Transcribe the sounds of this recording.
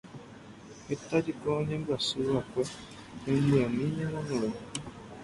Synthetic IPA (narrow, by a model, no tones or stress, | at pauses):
et̪ad͡ʒikɔɲembasuakʷɛ | eiamiɲemɔnɔɔ